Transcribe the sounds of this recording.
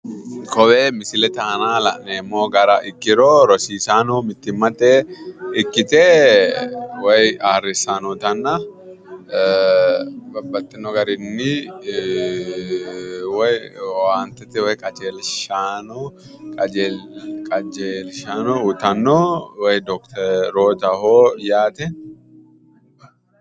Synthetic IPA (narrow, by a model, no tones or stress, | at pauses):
kɔwɛmɪsɪlɛt̪ɐːnaːlɐ̰ʔnemːoːɡɐɾɐʔɪkːɪɾoːɾɔsiːsaːnɔmɪt̪ːɪmːɐt̪ːɛɪkːɪt̪ʼɛ | wɛjaːrːɪsaːnɔt̪ɐnːɐ | bɐbːɐt̪ːɪnɔɡɐɾɪnːɪ | wɐjaːnt̪ɛt̪ːɛwɐjkʼɐd͡ʒeːlʃaːno | kʼɐd͡ʒekʼɐd͡ʒeːlʃanoʊt̪ɐnːowɐjd̪ɔkt̪ʰɛɾɾoːt̪ɐhoːjaːt̪ɛ